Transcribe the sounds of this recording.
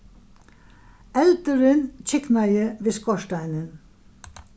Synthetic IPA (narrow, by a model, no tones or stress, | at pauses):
ɛlt̪əɾɪnt͡ɕʰɪknajəʋɪːskɔʃtaɪnən